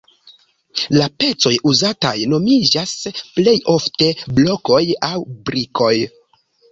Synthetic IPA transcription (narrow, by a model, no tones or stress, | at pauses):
lape̞t͡so̞juzata̰jno̞mid͡ʒasple̞jo̞fte̞blo̞ko̞jawbɾiko̞j